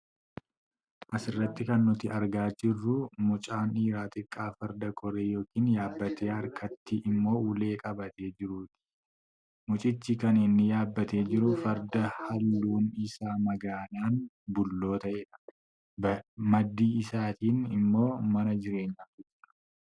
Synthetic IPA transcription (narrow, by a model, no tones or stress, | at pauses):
ʔɐsɪrːɐt̪ːɪkɐnːʊt̪ɪɐɾɡaːd͡ʒɪrːʊmʊt͡ʃʼaːniːɾaːt̪ʼɪkʼːaːfɐɾd̪ɐkʰʼɔɾeːjo̞ːkiːnjaːbːɐt̪eːɐɾkʰɐt̪ːɪʔɪmːo̞ːʊle̞ːkʼɐbɐt̪e̞ːd͡ʒɪɾuːt̪ɪ̥ | mʊt͡ʃʼɪt͡ʃːɪkɐnɪnːɪjaːbːɐt̪eːd͡ʒɪɾʊfɐɾd̪ɐhɐlːuːnɪsaːmɐɡaːnaːn | bʊlːo̞ːt̪ɐʔeːᶑɐ̥ | mɐd̪ːiːɪsaːt̪iːnɪmːo̞ːmɐnɐd͡ʒɪɾe̞ːɲːaːfɪd͡ʒɪᶑɐ̥